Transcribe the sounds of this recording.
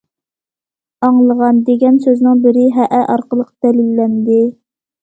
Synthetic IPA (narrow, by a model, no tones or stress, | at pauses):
ɑŋlˠəʁɑnd̪eɡʲɛnsøznɪŋbɪɾɪɦɛʔɛʔɑɾqəlˠəqd̪̥ɛlilːɛnd̪ɪ